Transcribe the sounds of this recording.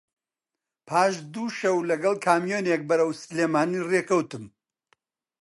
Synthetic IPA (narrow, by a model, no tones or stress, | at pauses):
pʰaːʃd̪uːʃɐwlɐɡɐlˠkʰaːmjoːnek̚bɐɾɐwsɨleːmaːnireːkɐwt̪ɨm